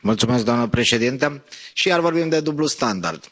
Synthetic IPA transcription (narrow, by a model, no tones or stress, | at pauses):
mult̪sumesk̚d̪oamnəpɾe̞ʃed̪int̪əʃijaɾvo̞ɾbimd̪e̞d̪ublust̪and̪a̰rd̪̥